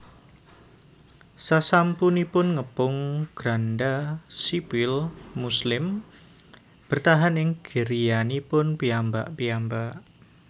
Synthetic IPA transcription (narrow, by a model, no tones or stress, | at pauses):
sasampunipʊnŋəpʊŋɡ̥ɾandasipilmuslɪm | b̥ərt̪aɦanɪŋɡ̥əɾijanipʊnpiamba̰ʔpiambaʔ